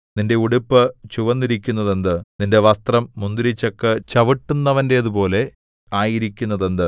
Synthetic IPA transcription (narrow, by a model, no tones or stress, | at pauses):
ninde̞uɽupːɨt͡ɕuʋɐnːiɾikʲːunːɐðend̪ɨninde̞ʋɐst̪rɐmːund̪iɾit͡ɕːɐkːɨt͡ɕɐʋiʈːunːɐʋɐnde̞ɐðupo̞ːle̞ | aːjiɾikʲːunːɐðe̞nd̪ɨ